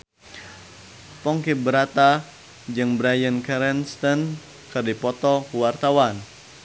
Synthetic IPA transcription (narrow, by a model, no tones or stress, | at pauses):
pɔŋkibəɾat̪a | d͡ʒɨŋbɾajənkɛɾɛnst̪ən | kɨrdipɔt̪ɔkuwart̪awan